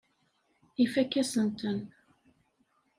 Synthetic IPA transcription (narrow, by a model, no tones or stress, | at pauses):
ifækːæsənt̪ən